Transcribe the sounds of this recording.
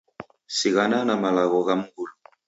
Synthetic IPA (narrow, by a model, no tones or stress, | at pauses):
siɣananamalaɣɔɣamuɡulu